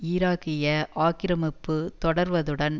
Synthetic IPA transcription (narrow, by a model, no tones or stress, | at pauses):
iːɾaːkɪjɐʔaːkɪɾɐmɪpːɯt̪ɔɽɐɾʋɐðɯɽɐn